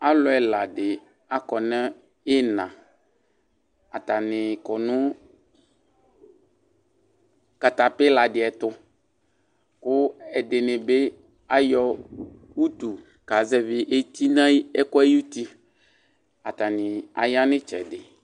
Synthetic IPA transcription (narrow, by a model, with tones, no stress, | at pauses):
a˦lʊ˨˦ɛ˨la˨dɪ˨ | a˨kɔ˨nɛ˦ | ɪ˦nã˨ | a˨t̪a˨nɪ˨kɔ˨nʊ̃˦ | ka˨t̪a˨pɪ˦la˨dɪ˨ɛ˨t̪ʊ˦ | kʊ˦ɛ˨dɪ˨nɪ̃˨be˦ | a˦jɔ˦ | wu˦t̪u˨ | ka˨zɛ˦vɪ˦ʔe˦t̪i˦nã˦ɛ˦kɔ˦e˦ju˦t̪i˦ | a˨t̪a˨nɪ̃˨a̰˨ja˦nɪ̃˦t͡ʃɛ̰˨dɪ˨